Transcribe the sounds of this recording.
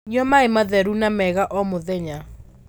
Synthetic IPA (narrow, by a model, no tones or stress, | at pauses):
ɲiɔmaemaðɛɾunamɛɣaʔɔmoðɛɲa